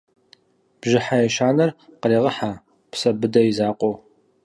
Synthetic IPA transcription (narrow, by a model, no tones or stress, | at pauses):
b̥ʒɪħajɛʃaːnɐrqəriːʁəħaː | psɐbɨdɐjizaːqʷʼo